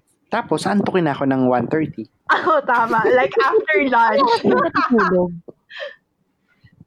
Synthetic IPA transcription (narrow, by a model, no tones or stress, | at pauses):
t̪aːpo̞sɐnt̪okɪnɐɐko̞nɐŋwanθɛɹt̪i | ʔɐot̪aːmaʔlajkaft̪ɛɹlanjɐk̪ɐt̪ut̪uːloɡ̚